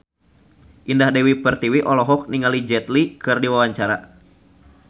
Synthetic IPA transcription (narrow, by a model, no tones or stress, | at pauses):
ʔindahdɛwipərt̪iwiʔɔlɔɦɔk̚niŋalid͡ʒɛt̪likɨrdiwawaɲt͡ʃaɾa̰